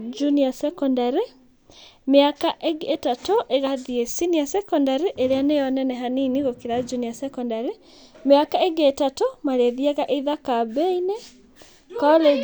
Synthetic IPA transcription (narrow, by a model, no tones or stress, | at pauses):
d͡ʒuniasɛkɔndaɾi | meakaʔeɡetatoʔeɣaðiesinijasɛkɔndaɾiʔeɾeanejɔnɛnɛɦaniniɣokiɾad͡ʒuniasɛkɔndaɾi | meakaeɡetatomaɾeðiɛɣaʔeiðakabɛine | kɔle